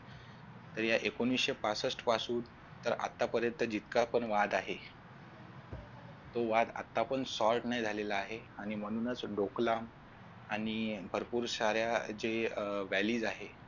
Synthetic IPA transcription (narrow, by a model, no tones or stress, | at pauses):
t̪əɾjaʔekonʋisɕepat͡səsʈpasuːn | t̪ːəɾa̰t̪ːapəɾjənt̪əd͡ʑit̪̚kapəɳʋad̪aɦe | t̪oʋad̪a̰t̪ːapəɳsɔlʈnajd͡zʱalelaːɦe | aɽ̃im̤əɽ̃unət͡sɖoklam | aɽ̃ibʱəɾpuːɾsaɾjad͡ʑeʋæliːd͡zaɦe